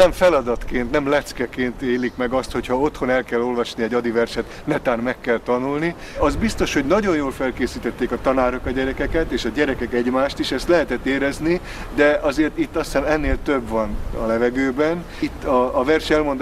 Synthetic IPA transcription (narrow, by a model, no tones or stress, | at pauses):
nɛɱfɛlɒd̪ɒt̪keːnt̪nɛmlɛt̪skɛkeːnt̪eːlikmɛɡɒst̪ho̞chɒo̞t̪ho̞nɛlkɛlːo̞lvɒʃniɛɟɒd̪ivɛrʃɛt̪nɛt̪aːnmɛkːɛlt̪ɒnulni | ɒzbist̪o̞ʃho̞ɟnɒɟo̞njoːlfɛlkeːsiːt̪ɛt̪ːeːkɒt̪ɒnaːɾokɒɟɛɾɛkɛkɛt̪eːʃɒɟɛɾɛkɛkɛɟmaːʃt̪iʃɛst̪lɛɦɛt̪ɛt̪ːeːɾɛzni | d̪ɛʔɒzeːrt̪it̪ːɒsɛnɛnːeːlt̪øbʋɒnɒ̰lɛvɛɡøːbɛn | it̪ːɒːvɛrʃɛlmo̞nd̪